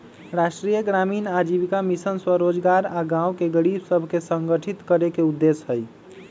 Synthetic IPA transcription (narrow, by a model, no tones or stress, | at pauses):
ɾaʃʈɾijəɡɾaminad͡ʒiβikamisənswəɾod͡ʒɡaɾaɡãwkeɡəɾibsəbʱkesəŋɡəʈʰit̪kəɾekeud̪ːesɦəj